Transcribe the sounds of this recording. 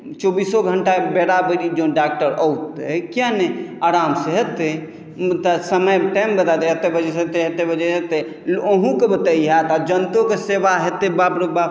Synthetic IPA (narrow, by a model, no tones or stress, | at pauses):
t͡ʃobisɔɡʱəɳʈabeɽabəɾid͡ʒõɖak̚ʈəɾəwt̪ekijãneaɾamseɦet̪e | mt̪asəməjʈajmbəd̪at̪eɦet̪ebʱəd͡ʒɛset̪eɦet̪ebʱəd͡ʒɛet̪e | oɦũkebət̪əiɦat̪ad͡ʒənt̪okesebaɦet̪ebabɾoba